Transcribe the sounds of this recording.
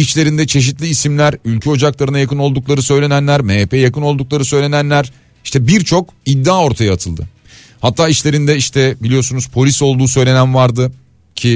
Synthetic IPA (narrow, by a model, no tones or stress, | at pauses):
it͡ʃlʲe̞ɾind̪ɛt͡ʃʰe̞ʃ̬it̪lʲiːsimlʲæɾylʲcʰyo̞d͡ʒaklˠaɾɯnajakɯno̞lˠd̪uklˠaɾɯsø̞jlʲe̞nænlʲæɾmepʰejakɯno̞lˠd̪uk̚lˠaɾɯsø̞jlʲe̞nænlʲæɾ | i̥ʃt̪ɛbiɾt͡ʃʰo̞kid̪ːaːo̞ɾt̪ʰajaːt̪ʰɯlˠd̪ɯ̰ | hat̪ʰːaːit͡ʃlʲe̞ɾind̪ɛiʃt̪ʰɛbilʲijo̞sunuzpʰo̞lʲiso̞lˠd̪uːsø̞jlʲe̞nænvaɾd̪ɯ | cʰi